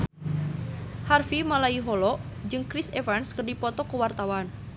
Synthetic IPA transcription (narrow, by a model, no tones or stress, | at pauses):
harfimalaiɦɔlɔd͡ʒɨŋkɾisevanskərdipɔt̪ɔkəwart̪awan